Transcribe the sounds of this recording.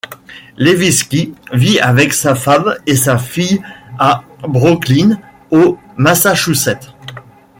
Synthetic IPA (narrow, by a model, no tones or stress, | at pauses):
leviskʲiviavɛksafamesafijabʁɔklin | o | masaʃusɛt̪